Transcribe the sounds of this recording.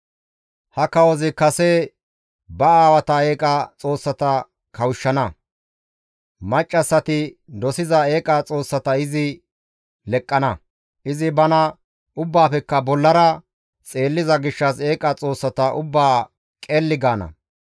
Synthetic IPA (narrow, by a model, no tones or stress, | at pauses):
hɐkɐwɔzɪkɐse | bɐaːwɐt̪ɐeːkʼɐt͡sʼo̞ːsːɐt̪ɐ | kʰɐwʃːɐnɐ | mɐt͡ʃʼːɐsːɐt̪ɪd̪ɔsɪzɐe̞ːkʼɐt͡sʼo̞ːsːɐt̪ɐɪzɪ | lɛkʼːɐnɐ | ʔɪzɪbɐnɐ | ʊbːaːpɛkːɐbɔlːɐɾɐ | t͡sʼe̞ːlːɪzɐɡɪʃːɐse̞ːkʼɐt͡sʼo̞ːsːɐt̪ɐʔʊbːaː | kʼeːlːɪɡaːnɐ̰